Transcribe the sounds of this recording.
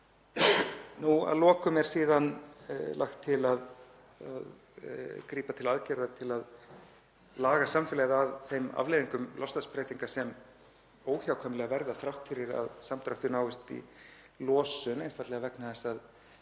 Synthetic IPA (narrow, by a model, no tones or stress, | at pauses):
nua̰ðlɔːkʏmɛɾ̥siːðanla̰xt̪ʰːɪlað | a̰ð | kɾiːpat̪ʰɪlaðcɛɾðat̪ʰɪlað | laːɣasamfɪlɛɣðaðθejma̰vleːjðiŋkʏmlɔst̪aspɾɛːjt̪iŋkasɛm | oːwçawkʰœːmɪlɛɣavɛɾðaθɾawht̪fɪɾɪɾa̰ðsamt̪ɾawht̪ʏnaːwɪst̪ḭ | lɔːsʏnejnfat̪lɛːɣavɛknaθɛsːað